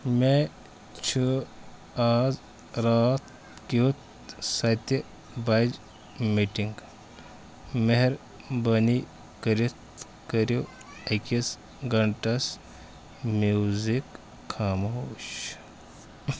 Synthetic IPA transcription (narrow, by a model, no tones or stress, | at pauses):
me | t͡ʃʰɨ | az | ɾat̪̚ | kit̪̚ | sɐjt̪e | bajd͡ʒ | miʈiŋɡ | meɦeɾ | bɐni | kɐɾit̪ | kɐɾjo | ekis | ɡɐɳʈɐs | mjuzikʰː | aːmooɕ